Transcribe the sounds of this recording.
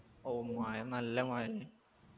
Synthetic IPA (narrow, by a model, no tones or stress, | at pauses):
oumaːjɐnɐlːɐmaːjɐ